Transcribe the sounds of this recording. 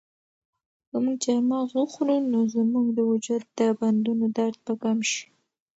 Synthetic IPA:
kəmuɡd͡ʒaɾmɑɣuxɾunozmuɡd̪əwʊd͡ʒud̪̚d̪əband̪unod̪aɾd̪̚pəɡamʃi̥

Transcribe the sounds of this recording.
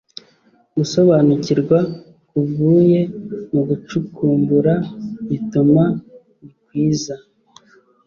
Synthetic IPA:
ɡuso̞βanuciɾɡwa | kuvuːje̞muɡut͡ʃukuːmbuɾaituma | nikwiːza

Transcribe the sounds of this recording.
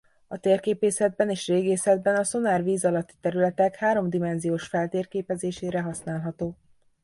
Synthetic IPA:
ɒt̪eːrkeːpeːsɛd̪̚bɛneːʃreːɡeːsɛd̪̚bɛnɒso̞naːrviːzɒlɒt̪ːi̥t̪ɛɾylɛt̪ɛkhaːɾo̞md̪imɛnzijoːʃfɛlt̪eːrkeːpɛzeːʃeːɾɛɦɒsnaːlɦɒt̪oː

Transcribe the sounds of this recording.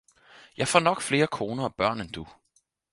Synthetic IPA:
jɑ̈ɪfɒ̰nɒ̽ɡ̥fle̝ːɐkʰo̝ːnɐɒb̥ɶɐ̰nend̥u

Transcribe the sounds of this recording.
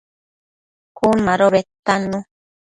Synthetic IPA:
kunmaɾoβet̪anũ

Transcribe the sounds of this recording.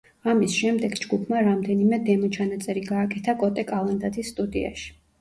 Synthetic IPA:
amisʃɛmd̪ɛɡd͡ʒɡupʰmaɾamd̪ɛnimɛd̪ɛmɔt͡ʃʰanat̪sʼɛɾiɡaːkʼɛt̪ʰakʼɔt̪ʼɛkʼalˠand̪at̪ʰisːt̪ʼud̪ia̰ʃi̥

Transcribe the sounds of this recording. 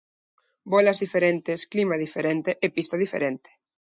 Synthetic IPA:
bɔlazðifeɾent̪esklimað̞ifeɾent̪eʔepist̪aðifḛɾent̪e̥

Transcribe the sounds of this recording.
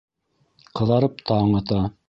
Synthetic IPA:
qʰɤ̆ðɑɾɤp̚t̪ʰɑːɴɑ̆t̪ɑ

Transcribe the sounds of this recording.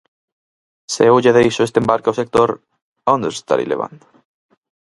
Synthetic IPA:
seuʎaðeisoest̪embaɾkaosek̚t̪oɾ | õnd̪est̪a̰ɾḭlḛβ̞a̰nt̪

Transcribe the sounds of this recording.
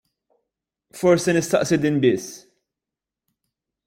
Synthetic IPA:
fɔɾsɛnɪst̪ɐʔsɪd̪iːnbɪsː

